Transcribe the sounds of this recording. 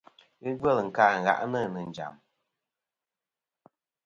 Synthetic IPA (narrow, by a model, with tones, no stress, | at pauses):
ɨ˦ɡə˦lŋ̩˨kaː˨˦˨ŋ̩˨ɣa̰˨ʔnɨ˦˨nɨ˨n̩˨d͡ʒa̰˨m